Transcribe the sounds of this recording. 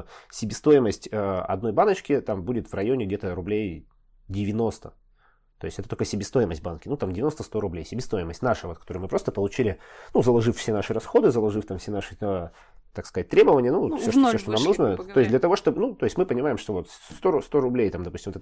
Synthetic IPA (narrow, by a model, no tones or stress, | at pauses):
sʲɪbʲɪst̪o̞jɪməsʲtʲəɐ̰d̪no̞jbanət͡ɕkʲɪt̪ambudʲɪt̪vrɐjo̞nʲɪɡdʲet̪əɾʊblʲej | dʲɪvʲɪno̞st̪ə̰ | t̪o̞jɪsʲɛt̪ət̪okəsʲɪbʲɪst̪o̞jɪməsʲt̚ʲbankʲɪnut̪amdʲɪvʲɪnost̪əst̪o̞ɾʊblʲejsʲɪbʲɪst̪o̞jɪməsʲtʲnaʂəvo̞t̪kɐ̥t̪oɾɨjmɨpɾo̞st̪əpəlˠʊt͡ɕilʲɪnuzəlˠɐʐɨffsʲe̞naʂɨɾɐsxo̞d̪ɨzəlˠɐʐɨft̪amfsʲenaʂɨə | t̪akskɐzat̚ʲt̪ɾʲe̞bəvənʲɪjənusoʂsoʂt̪onamnsuʐnət̪o̞ɪsʲd̪lʲət̪ɐvo̞ʂt̪o̞bɨnut̪o̞ɪsʲtʲmɨpənʲɪmajɪmʂt̪ovo̞t̪st̪ost̪o̞ɾʊblʲejt̪amd̪ɐpusʲtʲɪmvot̪ɛ